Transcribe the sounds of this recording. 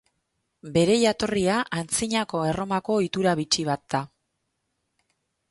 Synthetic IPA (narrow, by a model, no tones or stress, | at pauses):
be̞ɾe̞jat̪o̞riaʔant͡siɲako̞e̞ro̞mako̞it̪uɾaβit͡ʃiβat̪̚d̪̥a